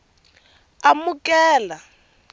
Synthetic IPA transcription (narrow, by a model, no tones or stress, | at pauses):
amukʼɛːla